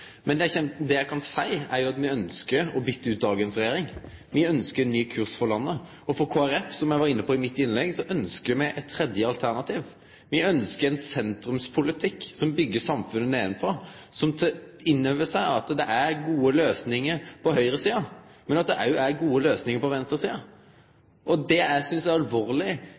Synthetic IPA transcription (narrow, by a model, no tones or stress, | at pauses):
mɛnɛæɪçɛnd̪ɛjæɪkʰɑnsæɪæ̰ɾjʊɑt̪mɪœnskəɾɔbʏt̪ːəʉːt̪̚d̪ɑːɡənsɾɛjeːɾɪŋ | mɪœnskəɾɛnːyːkʰʉɾsfɔʁlɑnːə | ɔfɔɾkʰoːæɾɛfsɔmjæɪʋɑɾɪnːəpʰɔɪmɪt̪ːɪnlɛɡsɔʔœnskəmæɪʔɛt̪t̪ʰːɾɛd̪jəɑlt̪ʰæʁnɑt̪ʰiːʋ | ʋɪœnskəɾɛnsɛnt̪ɾʉmspʰʊlɪt̪ʰɪkːsɔmbʏɡːəsɑmfʉnːəneːɪnfɾɑsɔmt̪ʰɪnːøːʋəsæɪɑt̪d̪ɛʔæɾɡuːəløːsnɪŋəɾpʰɔɦœʏɾəsiːɑmɛnɑt̪̚d̪ɛʔæɾjʊæɾɡuːəløːsnɪŋəɾpɔʋɛnst̪əɾsiːɑ | ʔɔd̪ɛæsʏnsjæɪɑlʋoːʁlɪ